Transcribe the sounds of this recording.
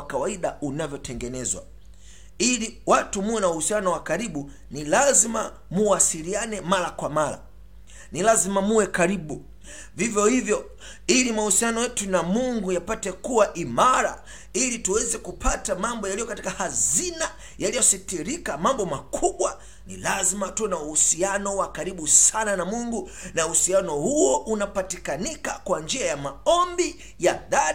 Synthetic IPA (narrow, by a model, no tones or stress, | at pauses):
kawaiɗaunavjɔtʰɛŋɡɛnɛzwa̰ | iliwatumuwɛnauhusianɔwakaɾiɓu | nilazima | muwasilianɛmaɾakwamaɾa̰ | nilazimamuwɛkaɾiɓu | vivjɔhivjɔ | ilimahusianɔjɛtunamuŋɡujapatɛkuwaʔimaɾa̰ | ilituwɛzɛkupʰatamambɔjalijɔkati̥kahazina | jalijɔsitiɾikamambɔmakʰuɓwa | nḭlazimatɛnauhusianɔwakaɾiɓusananamuŋɡu | nauhusianɔhuɔʔunapatikanikakwand͡ʒiajamaɔmbi | jaða